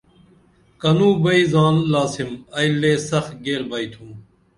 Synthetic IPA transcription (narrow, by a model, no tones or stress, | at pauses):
kɐnũːbɐiːzaːnlaːsimɐjleːsɐx̚ɡeːɾbaːit̪ʰũm